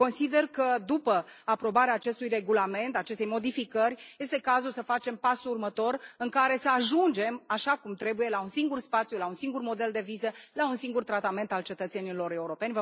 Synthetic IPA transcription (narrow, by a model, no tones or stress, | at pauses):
ko̞nsid̪e̞rkəd̪upəapɾo̞baɾeaːt͡ʃe̞st̪ujre̞ɡulame̞nt̪at͡ʃe̞st̪e̞jmo̞d̪ifikərʲje̞st̪e̞kazulsəfat͡ʃe̞mpasuurmət̪o̞rɨŋkaɾe̞səaʒund͡ʒe̞maʃakumt̪ɾe̞buje̞launsiŋɡurspat̪sʲjulaunsiŋɡurmo̞d̪e̞ld̪e̞vizəlaunsiŋɡurt̪ɾat̪ame̞nt̪alt͡ʃe̞t̪ət̪se̞nilo̞ɾe̞uɾo̞pe̞nʲvə